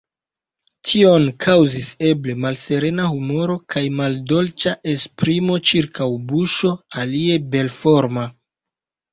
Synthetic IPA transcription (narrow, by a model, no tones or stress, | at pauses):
tʰio̞nkʰawzise̞ble̞malse̞ɾe̞nahumo̞ɾo̞kʰajmaldo̞lt͡ʃaʔe̞spɾimo̞t͡ʃiɾkawbuʃo̞alie̞be̞lfo̞ɾma